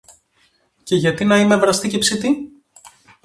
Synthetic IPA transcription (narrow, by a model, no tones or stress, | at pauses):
ce̞ʝɐt̪inɐime̞vɾɐst̪ice̞psit̪i